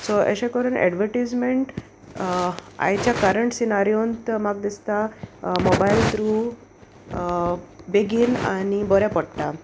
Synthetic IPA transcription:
soʔə̰ɕẽkəɾuːnɛ̰ɖʋəɾʈid͡zmeɳʈ | a̰jt͡ɕjakaɾəɳʈsinaɾijont̪maɡ̚d̪ist̪amobajlt̪ɾu | beɡiːna̰nibɔɾjapəɽʈ̪a

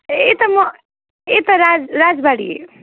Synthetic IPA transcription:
et̪ʌmʌ | et̪ʌɾad͡zɾad͡zbaɽḭḛ

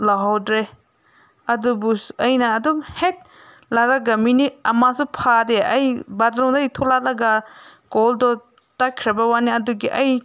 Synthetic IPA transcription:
laɦɔwdɾe | adubusɐjnaːdɔbhet̚ | laɾaɡaminiamasupʰadeajbadɾɔŋdajt̪ʰɔlalaɡaɡɔldɔ | takʰɾabawaniaduɡiʔaj

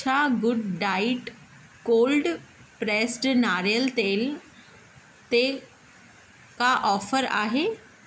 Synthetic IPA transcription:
t͡ʃʰaɡʊɖɖaːɪʈ | koːlɖ | pɾeːsʈnaːɾijəlt̪eːl | t̪e | kaʔɔːfəɾa̰ːɦeː

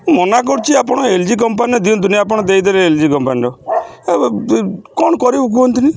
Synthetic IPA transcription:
mɔnak̬ɔɽt͡ʃʰiapɔɽ̃ɔeld͡ʒik̬ɔmpaniɔd̪iũnt̪̬uniap̬ɔɽ̃ɔd̪eid̪ɔɾeeld͡ʒikɔmpaniɾɔ | kɔnkɔɾeuk̬uɔnt̪ini

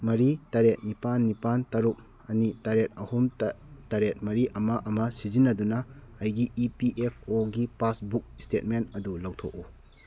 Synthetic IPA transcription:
mɐɾitaɾet̚nipanːipantɐɾuk̚ | ɐnitaɾet̚ɐhumtaɾet̚mɐɾiʔɐmɐʔɐmɐsizinːɐdunɐɐjɡiːpiʔepʰoɡipasbuk̚stet̚mentɐdulawtʰok̚u

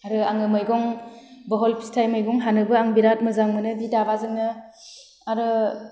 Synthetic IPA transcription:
aɾɯaŋɯmɯjɡɔŋbɔɦɔlpʰi̥stʰajmɯjɡɔŋɦanɯbɯaŋbiɾat̚mɯzaŋmɯnɯbidabazɯŋnɯ | aɾɯ

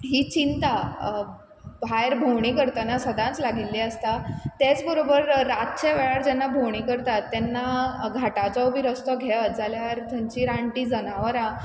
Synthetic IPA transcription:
ɦiːt͡ɕint̪a | bʱajɾbʱowɳ̃ikəɾt̪anasəd̪ʱãnt͡slaɡilːiəst̪at̪et͡sbəɾobəɾːat̪t͡ɕeʋɛɭaɾd͡ʑɛnːabʱowɳ̃ikəɾt̪at̪ːɛnːaɡʱaʈat͡sɔwbʱiːɾəst̪ɔɡʱɛʋət̪̚d͡zaljaɾt̪ʰəɲt͡ɕiːɾãɳʈiːd͡zənaʋəɾã

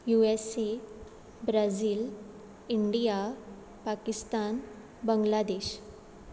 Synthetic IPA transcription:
juese | bɾaziːl | iɳɖija | pakist̪an | bəŋɡlad̪eɕ

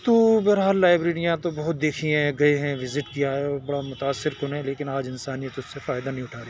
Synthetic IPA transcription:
t̪ubɐɦɾɦaːlːaːɪbɾeːɾijãt̪obɐɦʊt̪̚d̪eːkʰiɦɛ̃ɡɐeɦɛ̃ʋɪzɪʈkijaɦɛɔbɐɽamʊt̪aːsːɪɾkonẽleːkɪnaːd͡ʒɪnsaːnijət̪ʊssefaːɪd̪anɐɦĩʊʈʰaːɾe

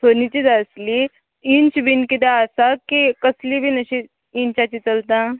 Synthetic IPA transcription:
sʰoːnit͡ʃid̪aːsli | ĩnt͡ʃbʱinkid̪aaːsakikɐslibʱinɐʃi | ĩnt͡ʃat͡ʃit͡ʃɐlt̪ã

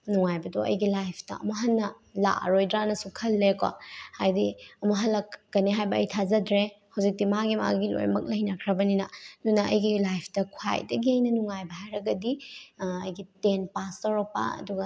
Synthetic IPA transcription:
nuŋajbɐdoʔɐ̰jɡilajpʰtɐ̰ɐ̰mɐɦɐnːɐ | la̰ɾojdɾanɐsukʰɐlːekwa̰hajdiɐmɐɦɐlːɐkːɐniɦajbɐːjtʰazɐdɾehɐwzik̚timaɡima̰ɡilo̰jmɐk̚lɐjnakʰɾɐbɐninɐnunɐɐ̰jɡilajpʰtɐkʰwa̰jdɐɡiɐjnɐnuŋajbɐɦajɾɐɡɐdiɐjɡitenpastɐɾopa̰ɐ̰duɡɐ

